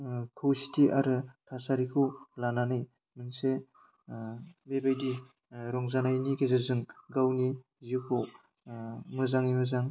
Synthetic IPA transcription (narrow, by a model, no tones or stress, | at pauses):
kʰɯwsi̥tʰiʔaɾɯtʰasaɾikʰɯwlananɯj | mɯnse | bebajdi | ɾɔŋzanajnikezazɯŋɡawni | zikʰu | mɯzaŋimɯzaŋ